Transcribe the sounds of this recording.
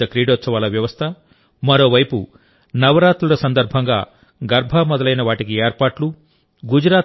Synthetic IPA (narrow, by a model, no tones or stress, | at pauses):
ɐkɾiːɖoːt̪sɐʋaːlɐʋjɐʋɐst̪ʰɐ | mɐɾo̞ːʋɐjpu | nɐʋɐɾaːt̪luɾɐsɐnd̪ɐɾbʱɐŋɡaː | ɡɐɾbʱaːmɔd̪ɐlɐjnɐʋaːʈikieːɾpaːʈlu | ɡud͡ʒɾaː